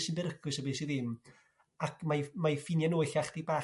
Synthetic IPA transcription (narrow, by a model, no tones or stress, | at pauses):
sɪnbɛɾəkʰʊsəbiːsiðɪm | akʰmajmajfɪnjanoɨɬaχd̥ibaː